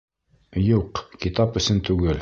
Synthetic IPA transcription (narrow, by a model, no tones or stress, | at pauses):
juqkit̪ɑpɵ̆sɘnt̪ʉɡɘl